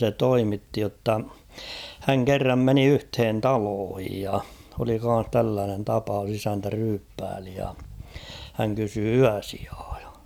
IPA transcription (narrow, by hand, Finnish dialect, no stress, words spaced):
se toimitːi jotːɑ hæŋ kerːɑm meni yhthen tɑloːhij jɑ oli kɑn̞s tælːæːnen tɑpɑus isæntæ ryːpːæːli jɑ hæŋ kysy yæsi̥ɑ̥ː j̊ɑ̥